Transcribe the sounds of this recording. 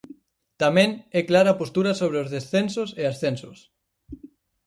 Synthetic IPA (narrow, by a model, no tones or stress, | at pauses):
t̪amẽŋɛklaɾapost̪uɾasoβ̞ɾeozðesθensoseasθensos